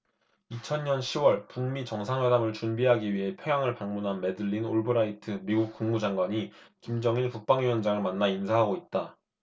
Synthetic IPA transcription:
it͡ɕʰʌnɲʌnɕʰiwʌɭpuŋmit͡ɕʌŋsʰaŋwe̞damɯɭt͡ɕunbiɦaɡiɥiɦe̞pʰjʌŋjaŋɯɭpaŋmunɦanme̞dɯɭːinoɭbɯɾaitʰɯmiɡuk̚k͈uŋmud͡ʑaŋɡwaɲikimd͡ʑʌŋinkuk̚p͈aŋɥijʌnd͡ʑaŋɯɭmanːainsʰaɦaɡoit̚t͈a

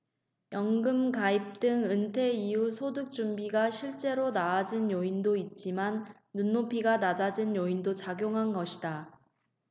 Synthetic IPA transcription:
jʌŋɡɯmkaip̚t͈ɯŋɯntʰe̞iusʰodɯk̚t͡ɕ͈umbiɡaɕʰiɭt͡ɕ͈e̞ɾonaːd͡ʑinjoindoit̚t͡ɕ͈imanː | unːopʰiɡanad͡ʑad͡ʑinjoindot͡ɕaɡjoŋɦanɡʌɕʰida

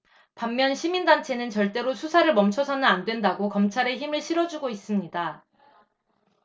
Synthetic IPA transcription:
pamːjʌnɕʰimindant͡ɕʰe̞nɯnt͡ɕʌɭt͈e̞ɾosʰusʰaɾɯɭmʌmt͡ɕʰʌsʰʌnɯnandwe̞ndaɡokʌmt͡ɕʰaɾe̞çimɯɭɕʰiɾʌd͡ʑuɡois͈ɯmɲida

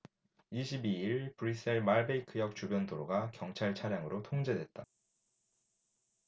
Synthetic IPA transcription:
iɕʰibiiɭpɯɾis͈ʰeɭmaɭbeikʰɯjʌk̚t͡ɕubjʌndoɾoɡakjʌŋt͡ɕʰaɭt͡ɕʰaɾjaŋɯɾotʰoŋd͡ʑe̞dwe̞t̚t͈a

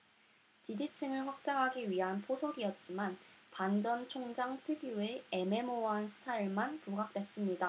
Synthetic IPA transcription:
t͡ɕidit͡ɕʰɯŋɯɭɸwak̚t͡ɕ͈aŋɦaɡiɥiɦanpʰosʰoɡiʌt̚t͡ɕ͈imanpand͡ʑʌnt͡ɕʰoŋd͡ʑaŋtʰɯɡjue̞eme̞mowansʰɯ̥tʰaiɭmanpuɡak̚t͈we̞s͈ɯmɲida

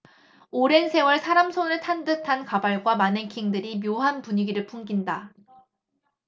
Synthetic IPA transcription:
oɾe̞nsʰe̞wʌɭsʰaɾamsʰonɯɭtʰandɯtʰankabaɭɡwamanekʰiŋdɯɾimjoɦanpuɲiɡiɾɯɭpʰuŋɡinda

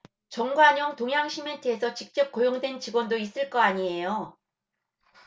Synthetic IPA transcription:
t͡ɕʌŋɡwaɲʌŋtoŋɦjaŋɕʰimetʰɯesʰʌt͡ɕik̚t͡ɕ͈ʌp̚k͈ojoŋdwe̞nt͡ɕiɡwʌndois͈ɯɭk͈ʌaɲie̞jo

